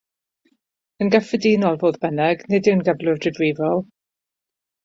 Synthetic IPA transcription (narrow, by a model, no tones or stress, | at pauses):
ənɡəfədiːnɔlˠvoːðbɛnɛɡnɪdɪwnɡəvlˠʊvdɪvwivɔlˠ